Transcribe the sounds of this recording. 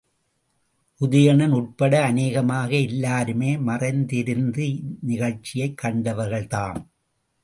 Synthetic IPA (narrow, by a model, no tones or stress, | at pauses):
ʔʊðɪjɐɳɐnʊʈ̚pɐɽɐːneːɣɐmaːɣɐɛlːaːɾɯmeːmɐrɐɪnd̪ɪɾɯnd̪ɯnɪɣɐɭt͡ʃːɪjɐɪkːɐɳɖɐʋɐɾɣɐɭt̪aːm